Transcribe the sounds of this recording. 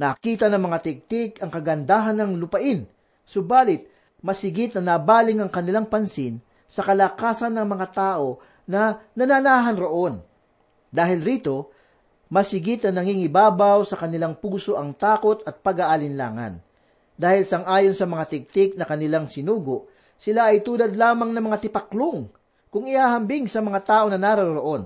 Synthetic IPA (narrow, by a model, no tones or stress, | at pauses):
nɐkiːt̪ɐnɐŋmɐŋat̪ɪk̚t̪ɪkɐŋkɐɡɐnd̪aːɦɐnɐŋlʊpɐʔɪn | sʊbaːlɪt̪̚ | mɐsɪɡɪt̪̚nɐnɐbaːlɪŋɐŋkɐnɪlaŋpɐnsɪn | sɐkɐlakaːsɐnːɐŋmɐŋat̪aːʔo̞ | nɐnɐnanaːɦɐnɾoʔo̞n | d̪aːhɪlɾiːt̪o̞ | mɐsɪɡɪt̪̚nɐnɐŋiŋɪbaːbawsɐkɐnɪlaŋpuːso̞ʔɐŋt̪aːko̞t̪ɐt̪̚pɐɡaʔalɪnla̰ːŋɐ̰n | d̪aːhɪlsɐŋʔaːjonsɐmɐŋat̪ɪk̚t̪ɪk̚nɐkɐnɪlaŋsɪnuːɡoʔ | sɪlaʔɐjt̪uːlɐd̪laːmɐŋnɐmɐŋat̪ɪpɐkloŋ | kʊŋɪhaːhɐmbɪŋsɐmɐŋat̪aːʔo̞nɐnaːɾɐɾoɾoʔo̞n